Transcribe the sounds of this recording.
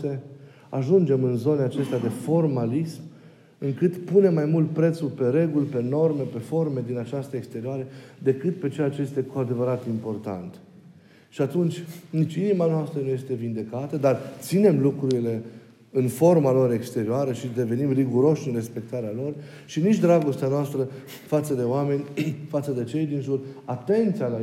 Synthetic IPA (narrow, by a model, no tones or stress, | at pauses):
e | aʒund͡ʒe̞mɨnzo̞neat͡ʃe̞st̪ead̪e̞fo̞rmalism | ɨŋkɨt̪pune̞mːajmult̪̚pɾe̞t̪sulpe̞ɾe̞ɡulʲpe̞no̞rme̞pe̞fo̞rme̞d̪inat͡ʃast̪əekst̪e̞ɾioaɾed̪e̞kɨt̪pe̞t͡ʃe̞jat͡ʃeje̞st̪e̞kuad̪e̞vəɾat̪impo̞rt̪a̰nt̪ | ʃiat̪unt͡ʃʲnit͡ʃʲinimanoast̪ɾənuje̞st̪e̞vind̪e̞kat̪əd̪art̪sine̞mlukɾuɾile̞ | ɨnfo̞rmalo̞ɾe̞kst̪e̞ɾioaɾəʃid̪e̞ve̞nimriɡuɾo̞ʃʲɨnre̞spe̞k̚t̪aɾealo̞r | ʃinit͡ʃʲd̪ɾaɡo̞st̪eanoast̪ɾə | fat̪səd̪e̞oame̞nʲfat̪səd̪e̞t͡ʃe̞jd̪inʒulat̪e̞nt̪siala